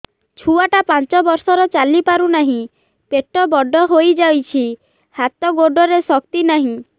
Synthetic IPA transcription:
t͡ʃʰuaʈapant͡ʃɔbɔɾsɔɾɔt͡ʃalipaɾunaɦĩ | peʈɔbɔɖʱɔɦojd͡ʒawt͡ʃʰi | hat̪ɔɡoɖʱɔɾesɔk̚t̪inaɦĩ

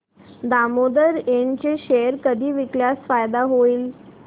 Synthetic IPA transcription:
d̪amod̪əɾeɳt͡ɕeɕeəɾkəd̪ʱiːʋikljasfajd̪aɦoiːl

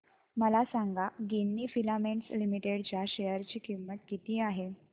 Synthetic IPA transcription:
məlasaŋɡaɡinːiːfilamenslimiʈeɽt͡ɕjaɕejəɾt͡ɕiːkimːəʈ̪̚kit̪iːaɦe

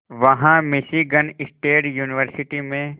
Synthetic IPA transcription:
ʋɐɦãmɪʃiɡənɪsʈeːʈjuːnɪʋəɾsɪʈimẽ

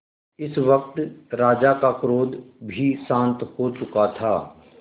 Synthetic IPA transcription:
ɪsʋək̚t̪ɾaːd͡ʒakakɾoːd̪bʱisãːnt̪hot͡ʃʊkat̪ʰaː

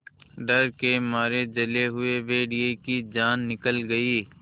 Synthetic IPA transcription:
ɖɐɾkemaːɾed͡ʒɐleɦʊeʋeːɖiekid͡ʒaːnːɪkəlɡɐiː

